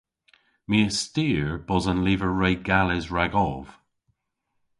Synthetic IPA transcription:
miəstiːɹb̥ɔzənliːvəɹɹejɡalɪzɹaɡɔv̥

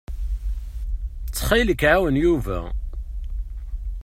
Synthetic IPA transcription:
t͡sːχiləkːʕawənjuvæ̰

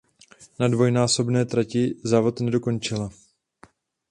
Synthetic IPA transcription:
nadvo̞jnaːso̞bnɛːt̪ɾacɪzaːvo̞t̪nɛdo̞ko̞nt͡ʃɪla

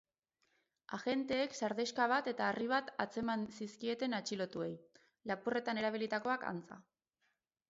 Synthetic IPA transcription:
aɣe̞nt̪e̞ːksaɾðeskaβ̞at̪e̞t̪aːriβ̞at̪at͡se̞mansiskie̞t̪e̞nat͡ʃilo̞t̪ue̞j | lapure̞t̪ane̞ɾaβ̞ilit̪ako̞aka̰nt͡sa̰

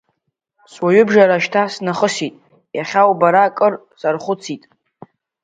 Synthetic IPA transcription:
swaɥʏbʒaɾaʃtʰasnaχəsitʼ | jaχʲawbaɾakʼɨr | sarχʷʊt͡sʰitʼ

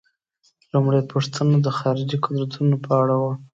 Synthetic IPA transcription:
lumɽajpəʂt̪ʰənod̪əxɑɾɪd͡ʒikʊd̪ɾat̪ʰunopʰəaɽawo

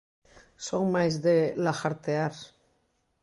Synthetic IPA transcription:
soŋmajzðelaxaɾt̪eaɾ

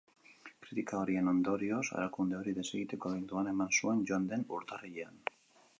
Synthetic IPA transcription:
kɾit̪ikaoɾienond̪oɾiosa̰ɾakund̪eoɾiðe̞seɣit̪ekoaβent̪uane̞mansuenʝoand̪enṵɾt̪ariʎean

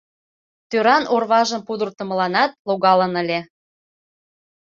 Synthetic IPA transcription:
t̪øɾɑnʔorβɑʒəmpud̪ərt̪ə̆məlɑnɑt̪̚loɣɑlənəlʲe

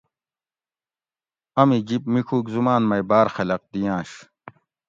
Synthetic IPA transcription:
ɐmid͡ʑipmikʰuːkzumaːnmɐjbaːɾxɐlɐq̚d̪ijãːɕ

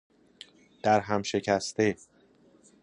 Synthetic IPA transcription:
d̪̥æɾɦæmʃe̞cʰæst̪e

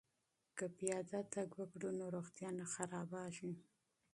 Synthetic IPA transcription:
kapijɑd̪at̪aɡwaɡɽunoɾoxt̪jɑnaxaɾɑbɑʃi

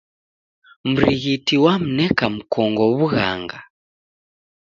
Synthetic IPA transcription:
m̩ɾiɣitiwam̩nɛkam̩kɔŋɡɔβuɣa̰ŋɡa

